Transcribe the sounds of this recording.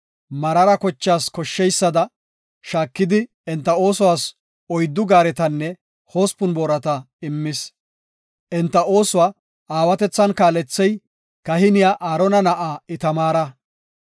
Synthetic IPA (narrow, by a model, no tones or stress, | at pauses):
mɐɾɐɾɐkɔt͡ʃːaːskɔʃːɛjsːɐd̪ɐ | ʃaːkːɪd̪ɪ | ɛnt̪ːɐo̞ːsʊwaːs | ɔjd̪ːʊɡaːɾɛt̪ɐnːɛ | ho̞ːspʊnboːɾɐt̪ɐ | ɪmːɪs | ʔɛnt̪ːɐo̞ːsʊwaː | aːwɐt̪ɛt͡sːɐnkaːlɛt͡sːɛj | kɐhɪnɪjaʔaːɾɔnɐnɐʔaːɪt̪ɐmaːɾɐ